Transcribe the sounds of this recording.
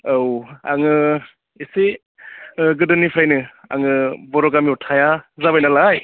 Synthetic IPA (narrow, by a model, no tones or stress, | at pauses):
awa̰ŋɯ | isi | ɡɯdɯnipʰɾajnɯa̰ŋɯbɔɾɔɡamiɔtʰajazabajnalaj